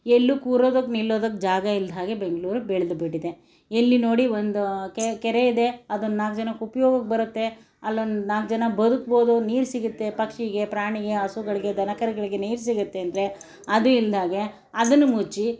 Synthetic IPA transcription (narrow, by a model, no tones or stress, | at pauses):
elːukuːɾoːd̪ɐkːnilːoːd̪ɐkːd͡ʒaːɡɐild̪ʱaːɡebe̞ŋɡɐɭuːɾubeɭd̪ubeɽid̪e̞ | elːino̞ːɽiʋond̪ukekɛɾe̞id̪e̞ɐd̪unːnaːkd͡ʒɐnɐkupɐjoːɡɐk̚ːbɐɾut̪ːe̞ | ɐlːonnaːk̚d͡ʒɐnɐbɐd̪ukbo̞ːd̪uniːɾsiɡut̪ːe̞pɐkʂiɡe̞pɾaːɳiɡe̞ɐsuɡɐɭiɡe̞d̪ʱɐnɐkɐɾiɡɐɭiɡe̞niːɾs̬iɡut̪ːeɐnd̪ɐɾe̞ | ɐd̪uild̪ʱaːɡe̞ | ɐd̪ɐnːumut͡ʃi